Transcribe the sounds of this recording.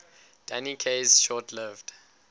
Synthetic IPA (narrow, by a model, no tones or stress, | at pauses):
d̥anikʰezʃɔːtʰlɪvd̥